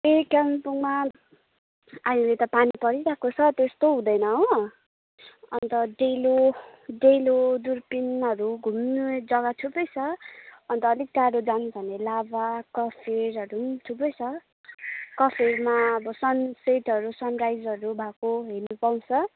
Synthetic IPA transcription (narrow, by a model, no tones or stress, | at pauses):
ekapuŋma | aɦĩlet̪ʌpanipʌɾiɾakot͡sʰʌt̪est̪oɦũd̪ʌjnʌo | ʌ̰nt̪ʌɖeloɖelod̪urpinʌɾuɡʱumnud͡zʌɡʌʈʰupʌjt͡sʰʌʌnt̪ʌːlik̚ʈaɖod͡zanbʱʌnelabakʌpʰeɾʌɾumʈʰupʌjt͡sʰʌ | kʌpʰermaʌbʌsʌnseʈʌɾusʌnrajd͡zʌɾubʱakoɦenupaw̃t͡sʰʌ